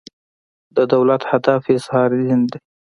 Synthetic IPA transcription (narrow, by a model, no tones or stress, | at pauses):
d̪əd̪awlat̪had̪ɑfiɪshɑɾdind̪e